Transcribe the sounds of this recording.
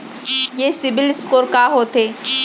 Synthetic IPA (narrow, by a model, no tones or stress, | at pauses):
jesibilskoɾkaɦot̪e